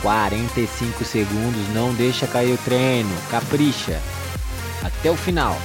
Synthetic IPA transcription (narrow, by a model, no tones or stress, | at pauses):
kwaɾẽnt̪ɐjsĩkʊseɡũnd̪ʊznɐ̃w̃d̪ejʃɐkaiɾʊt̪ɾenʊkapɾiʃɐ̰ | at̪ɛʊfinaw